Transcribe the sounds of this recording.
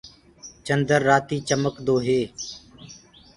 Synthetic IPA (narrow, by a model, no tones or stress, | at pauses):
t͡ʃənd̪əɾːaːt̪iːt͡ʃəməkd̪oːɦeː